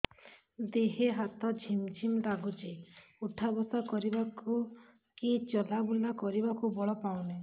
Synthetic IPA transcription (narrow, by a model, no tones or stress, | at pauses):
d̪eɦeɦat̪ɔd͡ʒʱimd͡ʒʱimd̪aɡud͡ʒeuʈʰabɔsakɔɾibaku | kit͡ʃɔlabulakɔɾibakubɔɭɔpawne